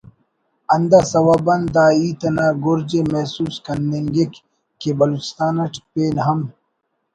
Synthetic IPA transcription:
ɐnd̪asɐwabɐnd̪aːiːt̪ɐnaːɡoɾd͡ʑemɛsuːskɐneŋɡek | kebɐluːt͡ɕi̥st̪aːnɐʈpeːnɦɐm

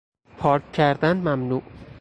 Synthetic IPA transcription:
pʰɒːɾccʰæɾd̪ænmæmnuːʔ

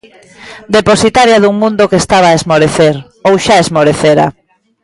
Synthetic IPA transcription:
d̪eposit̪aɾjɐðuŋmũnd̪ʊkest̪aβaːezmoɾeθeɾ | owʃaezmoɾeθeɾa̰

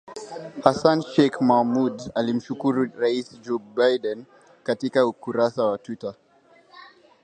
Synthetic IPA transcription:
hasanʃɛkmahmudalim̩ʃukuɾuɾaisd͡ʒɔbajdɛn | katikaukuɾasawatwita

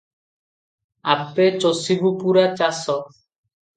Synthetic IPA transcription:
a̰pːet͡ʃosibupuɾat͡ɕasɔ

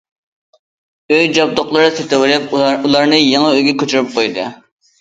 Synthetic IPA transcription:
øjd͡ʒɑb̚d̪oχlˠɨɾɨset̪ʰɪwɪlɪpulˠɑɾnɨjeŋɑøjɡʲɛkʲʰøt͡ʃʰyɾyp̚qʰojd̪ɨ̰

